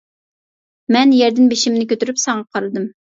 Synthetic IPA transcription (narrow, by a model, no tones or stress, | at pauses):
mɛnjɛɾd̪ɪnbeʃimnɪkʲʰøt̪yɾypsɑŋɑqʰɑɾɨd̪ɨm